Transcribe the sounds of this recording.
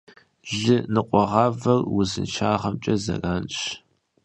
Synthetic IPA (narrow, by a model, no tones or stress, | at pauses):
ʒɪnɨqʷʼɔʁɑːvɐrwʊzɨ̰nt͡ʃʰaːʁɐmt͡ʃʼɐzɐ̰raːnɕ